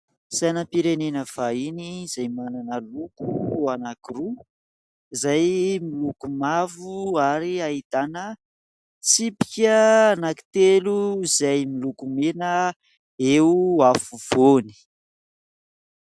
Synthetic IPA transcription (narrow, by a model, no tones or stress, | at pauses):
sajnəpiɾenenəv̥ainiz̥ajmananəlukuanakiru | izajmilukumavuaɾiait̪anə | t͡sipi̥kʲənaki̥t̪eluizajmilukumenə | euafuv̥oni̥